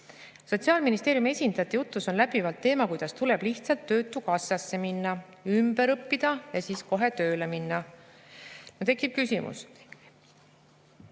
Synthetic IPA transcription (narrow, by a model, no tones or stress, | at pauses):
so̞t̪siɑːlminist̪eːɾjume̞sʲind̪̥ɑt̪ːijut̪ˑːuso̞nlæbivɑlt̪ːe̞ːmɑkujd̪̥ɑst̪ule̞b̥liht̪sɑlt̪ːø̞ːt̪ːˑukɑsːɑsːe̞minːɑ | ymbe̞ɾɤpːid̪̥ɑjɑsiːsko̞ɦe̞t̪ø̞ːle̞minːɑ | not̪e̞kːˑip̚kysimṵs